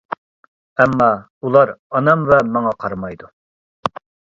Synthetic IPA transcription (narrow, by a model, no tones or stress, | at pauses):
ɛmːɑ | ulˠɑɾɑnɑmvɛmɑŋɑqʰɑɾmɑjd̪u